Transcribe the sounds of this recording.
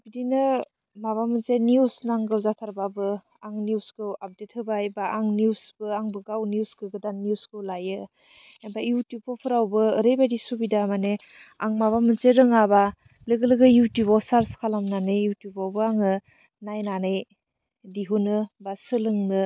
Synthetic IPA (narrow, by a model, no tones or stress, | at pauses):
b̥idinɯ | maβamɯnseniusnaŋɡɯwzatʰaɾbabɯ | aŋnjuskɯwap̚det̚hɯbajbaʔaŋnijusb̥ɯaŋbɯɡawniuskɯɡɯdannjuskɯwlajɯ | ebajutjupːɔpʰɯɾawbɯːɾejbajdisubidamane | a̰ŋmaβamɯnzeɾɯŋaba | lɯɡɯlɯɡɯjutjupawsaɾskʰalamnanɯjjutjubawbɯaŋɯ | najnanɯj | diɦunɯbasɯlɯŋnɯ